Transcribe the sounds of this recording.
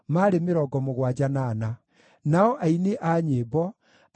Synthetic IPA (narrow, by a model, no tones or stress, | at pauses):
maɾemeɾɔɡɔmoɣwad͡ʑanana | naɔʔaineʔaɲeːbɔ